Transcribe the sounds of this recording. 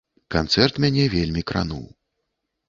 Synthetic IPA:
kant̪sɛrt̪mʲanʲɛvʲelʲmʲikɾa̰nṵw

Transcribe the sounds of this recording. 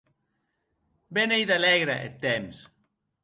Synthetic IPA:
benejðalɛɣɾa̰ʔḛt̪ːems

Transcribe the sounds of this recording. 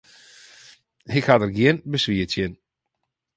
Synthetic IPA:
hɪkhadəɡjiənbəsʋiətjɪn

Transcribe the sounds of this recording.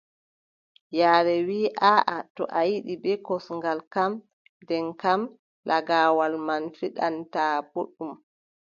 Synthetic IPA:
jaːɾɛwiːʔaːʔatɔ̰ʔajiɗibɛkɔsŋɡalkam | dɛŋkam | lʔaɡaːwalmanfiɗantaːb̥oɗum

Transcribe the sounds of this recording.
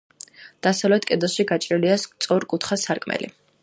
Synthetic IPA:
d̪̥asavlɛt̪ʰkʼɛd̪ɔsʃiɡat͡ʃʼɾiliast̪sʼɔɾkʼut̪ʰχasaɾkʼmɛ̰lḭ

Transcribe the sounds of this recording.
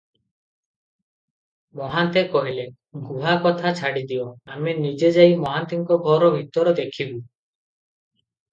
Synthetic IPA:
mɔɦant̪ekɔɦile | ɡuɦakɔt̪ʰat͡ʃʰaɽid̪iɔamenid͡ʒed͡ʒajmɔɦant̪iŋkɔɡʱɔɾɔbʱit̪ɔɾɔd̪ekʰibu

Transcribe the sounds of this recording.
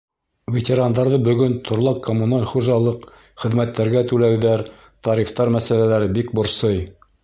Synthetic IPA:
vʲet̪ʲeɾand̪ɑɾðɤbɵ̆ɡɵnt̪ʰŏɾlˠɑqkːomunalʲχuʒɑlˠɤq | χɘ̆ðmæt̪ːæɾɡæt̪ʉlæwðæɾ | t̪ɑɾift̪ɑɾmæsælælæɾɘbikbŏɾsɤj

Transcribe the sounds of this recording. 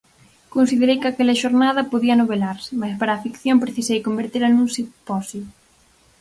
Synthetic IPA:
konsiðeɾejkakɛlɐʃoɾnaðɐpoðiɐnoβelaɾsɪmaspaɾɐaːfikθjompɾeθisejkombeɾt̪eɾanunsɪpɔsi

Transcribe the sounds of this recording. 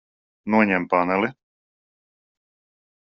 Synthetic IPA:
nuɛɲɛmpanɛli

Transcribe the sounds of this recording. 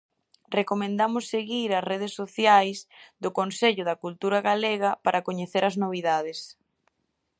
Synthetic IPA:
rekomẽnd̪amʊsːeɣiɾɐsreð̞esːoθjajsðʊkonseʎʊðɐkult̪uɾɐɣaleɣɐpaɾʔɐkoɲeθeɾɐznoβ̞iðaðɪs

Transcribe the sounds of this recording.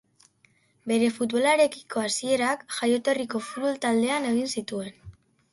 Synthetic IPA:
be̞ɾe̞fut̪βo̞laɾe̞ki̥ko̞asie̞ɾakʝajo̞t̪o̞riko̞fu̥t̪̚βo̞lt̪ald̪e̞ane̞ɣ̞insit̪ue̞n

